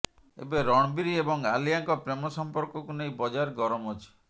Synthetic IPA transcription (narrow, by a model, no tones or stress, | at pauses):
ḛbeɾɔɽ̃ɔbiɾiebɔŋalijaŋkɔpɾemɔsɔmpɔɾkɔkuneĩbɔd͡ʒaɾɡɔɾɔmot͡ʃʰi̥